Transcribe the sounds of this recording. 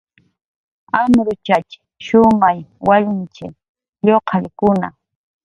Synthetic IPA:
amɾʊt͡ʃat͡ʃɪ̥ | ʃʊmajwaʎɪnt͡ʃɪ̰ | ʎoqʰɑʎkʊna̰

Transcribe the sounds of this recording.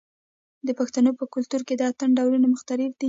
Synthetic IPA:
d̪əpaxt̪anopəkʊlt̪uɾked̪əat̪ənɖawlunamʊxt̪aɾɪfd̪̥i

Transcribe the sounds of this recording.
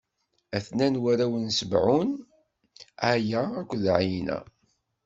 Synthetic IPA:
æθnænwæɾæwənsəbʕun | æjæækʷːðʕjnæ̰

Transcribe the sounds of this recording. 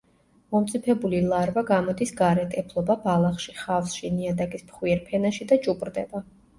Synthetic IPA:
mɔmt̪sʼipʰɛbulilˠaɾvaɡamɔd̪isɡaɾɛt̪ʼɛpʰlˠɔbabalˠaχʃiχafsʃiniad̪akʼismχwiɛɾpʰɛnaʃid̪at͡ʃʼupʼɾd̪ɛba

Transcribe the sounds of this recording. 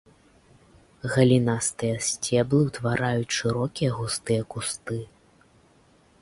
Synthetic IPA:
ɣɐlʲinast̪ɨjɐsʲt͡sʲɛblˠɨwt̪vaɾʔajut͡sʲʂɨɾɔkʲijɐɣust̪ɨjɐkust̪ɨ

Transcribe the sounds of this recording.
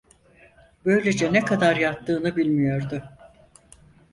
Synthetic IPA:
bø̞jlʲed͡ʒɛnɛkʰad̪aɾjat̪ːɯːnɯbilʲmijo̞ɾd̪ʊ

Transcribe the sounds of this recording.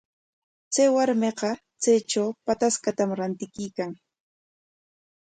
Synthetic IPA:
t͡sajwaɾmeqɑ | t͡sajʈ͡ʂawpat̪askat̪amɾant̪ɪkɪjkaŋ

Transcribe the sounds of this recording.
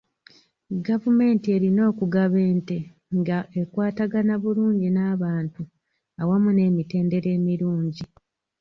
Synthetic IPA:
ɡavume̞ːntie̞ɾino̞ːkuɡaβe̞ːnte̞ | ŋɡaʔekwaːtaɡanaβuluːɲɟinaːβaːntu | awamune̞ːmite̞ːnde̞ɾe̞ːmiɾuːɲɟi

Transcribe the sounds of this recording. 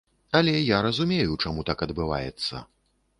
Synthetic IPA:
ɐlʲɛjaɾɐzumʲejut͡ʂamut̪akɐd̪bɨva̰jɛ̰t̪sːɐ̰

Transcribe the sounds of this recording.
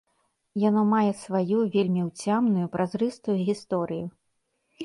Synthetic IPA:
janɔmajɛsvajuvʲelʲmʲiwt͡sʲamnujupɾʔazɾɨst̪ujuɣʲist̪ɔɾɨju

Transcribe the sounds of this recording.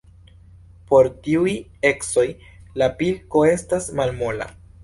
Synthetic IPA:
po̞ɾtiuje̞kso̞j | lapilko̞e̞stasmalmo̞la̰

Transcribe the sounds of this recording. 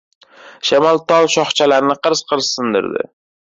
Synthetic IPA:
ʃamalˠt̪ʰɒlˠʃɒχt͡ʃʰalaɾnɪqʰɨɾz̥qʰɨɾzsɪnd̪ɪ̰ɾd̪ɪ̰

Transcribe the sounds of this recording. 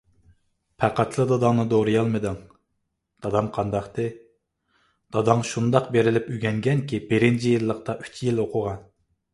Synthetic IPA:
pʰæqɑt̪ʰlˠɨd̪ɑd̪ɑŋnɨd̪oɾɨjɑlˠmɨd̪ɨŋ | d̪̥ɑd̪ɑmqʰɑnd̪ɑχt̪ɨ | d̪̥ɑd̪ɑŋʃund̪ɑqbeɾɪlɪpyɡʲɛŋɡʲɛnkʲibɪɾɪnt͡ʃʰijilˠːəqt̪ɑʔy̥t͡ʃʰjiloqʰʊʁɑn

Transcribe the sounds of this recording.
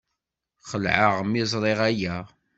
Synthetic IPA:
χəlʕəʁmɪzˤɾˤeʁæjæ

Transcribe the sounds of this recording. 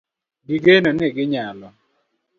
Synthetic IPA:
ɡiɡenonɪɡɪɲalɔ

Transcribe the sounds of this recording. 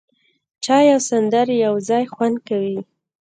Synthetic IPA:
t͡ʃɑjawsand̪aɾjawzɑjxwand̪̚kawi

